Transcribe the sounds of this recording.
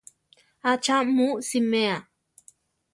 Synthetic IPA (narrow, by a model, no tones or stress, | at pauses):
at͡ʃamusimea